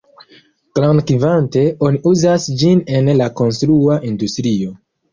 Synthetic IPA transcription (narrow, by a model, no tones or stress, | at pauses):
klankivante̞o̞niʔuzasd͡ʒine̞nlako̞nstɾuaʔindustɾio̞